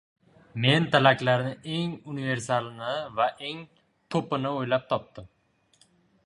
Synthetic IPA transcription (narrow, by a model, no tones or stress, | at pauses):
me̞nt̪ʰalakʲlaɾnɪe̞ŋʊnive̞ɾsalˠnɪvaʔe̞ŋ | t̪ʰopɪnɪojlap̚t̪ʰɒp̚t̪ɪm